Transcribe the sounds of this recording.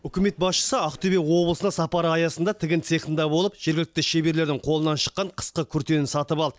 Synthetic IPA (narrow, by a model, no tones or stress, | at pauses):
ʏkʲɪme̞t̪̚bɑsʃə̥səɑqt̪ʰybewo̞blˠəsənɑsɑpɑɾəɑjɑsənd̪ɑt̪ʰɪɡʲɪnse̞χənd̪ɑbo̞lˠəpʒ̥eɾɡʲɪlɪk̚t̪ɪʃebe̞ɾle̞ɾd̪ɪŋqʰo̞lˠənɑnʃə̥qːɑɴqʰə̥sqəkʲʰʏɾt̪e̞nɪnsɑt̪əpɑlˠd̪ə